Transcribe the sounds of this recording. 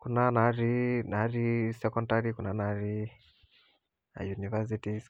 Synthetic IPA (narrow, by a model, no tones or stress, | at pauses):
kunanaɾinaɾisɛkɔndaɾikunanaɾi | a̰junivɛs̬iti